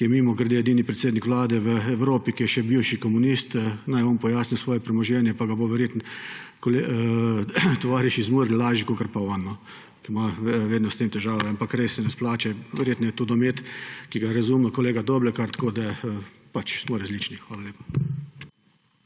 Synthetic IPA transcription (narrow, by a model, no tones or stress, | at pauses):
kijɛmimɔɡɾɛd̪eːjɛd̪iːnipɾɛt̪seːd̪nikʋlaːd̪ɛʋəɛwɾoːpikijɛʃɛbiwʃikɔmunist̪ənajɔːnpɔjaːsnisʋɔːjɛpɾɛmɔʒɛːnjɛpaɡaboʋɛɾjeːt̪nkole | t̪ɔʋaːɾɛʃizmuːɾnlaːʒikokəɾpaɔnːɔ | kimaʋeːd̪nɔst̪eːmt̪ɛʒaːʋɛampakɾesːɛnɛsplaːt͡ʃɛʋɛɾjeːt̪nɔjɛt̪ud̪ɔmeːt̪kiɡaɾazumɛkoleːɡad̪oːbɾɛkaɾt̪koːd̪ɛpat͡ʃsmɔɾazliːt͡ʃnixʋaːlaljeːpḁ